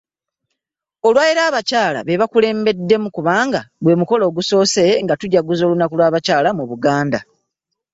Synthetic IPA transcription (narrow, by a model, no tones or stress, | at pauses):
o̞lwajeɾaːβacaːla̰βe̞βakule̞ːmbe̞dːe̞mukuβaːŋɡabwe̞ːmuko̞lo̞ːɡuso̞ːse̞ŋɡatuɟaɡuzo̞ːlunakulwaːβacaːlamuβuɡaːnda